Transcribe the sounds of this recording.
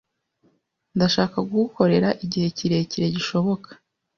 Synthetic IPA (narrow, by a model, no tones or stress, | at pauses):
ndaʃaːkaɡuko̞ɾe̞ɾaʔiɟihe̞ciɾe̞ciɾe̞ɟiʃo̞βo̞kḁ